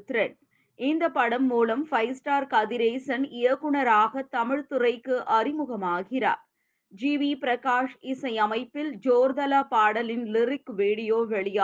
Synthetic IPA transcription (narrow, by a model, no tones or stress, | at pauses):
t̪ːɾɐɳ | ʔɪnd̪ɐpːɐɽɐmːuːlɐmfɐɪsʈaːɾkɐðɪɾeːsɐnɪjɐkːʊɳɐɾaːɣɐt̪ɐmɪɻt̪ɯrɐɪkːɯʔɐrɪmʊɣɐmaːɣɪrɐ̰ | d͡ʒiːʋipɪɾɐkaːʂɪsɐɪɐmɐɪpːɪld͡ʒoːɾðɐlaːpaːɽɐlɪnlɪrɪkʋiːɽɪjoːʋɛɭɪjaː